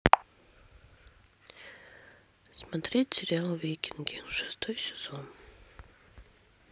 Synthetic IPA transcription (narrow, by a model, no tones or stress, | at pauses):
smɐt̪ɾʲetʲsʲɪɾʲɪalˠvʲejkʲɪnɡʲɪʂɨ̥st̪ojsʲɪ̥z̥on